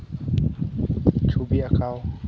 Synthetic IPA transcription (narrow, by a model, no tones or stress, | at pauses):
t͡ʃʰubiakʰaɔ